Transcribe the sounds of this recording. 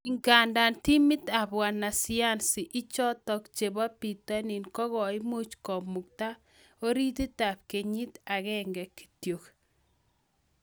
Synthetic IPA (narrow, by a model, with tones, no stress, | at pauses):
ɪ˨ŋɡa˨nda˨nti˦mɪ˦ta˨bwa˨na˨sɪ˦a˦nsɪ˨ʔɪ˦t͡ʃɔ˦tɔ˦kt͡ʃe˨ba˦pi˨ta˦ni˨nkɔ˦kɔ˨ɪ˦mu˦t͡ʃkɔ˨mu˨k̚ta˦ | o˦ɾi˦ti˦ta˨p̚ke˨ɲi˦ta˨kɛ˦ŋɡɛ˨ki̥˨tjo˨k